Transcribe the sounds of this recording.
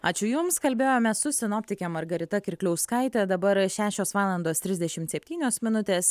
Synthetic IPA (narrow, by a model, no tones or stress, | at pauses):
ɑːt͡ʃʲʊjʊmskɐlʲbʲeːjoːmʲɛssʊsʲɪnoːpʲt̪ʲɪkʲɛmɐɾɡɐɾʲɪt̪ɐkʲɪɾʲklʲɛʊskɐɪt̪ʲɛd̪ɐbɐɾʃʲæːʃʲoːsʋɑːlˠɐnd̪oːst̪ʲɾʲɪzʲd̪ʲɛʃʲɪmt̪sʲɛpʲt̪ʲiːnʲoːsmʲɪnʊt̪ʲeːs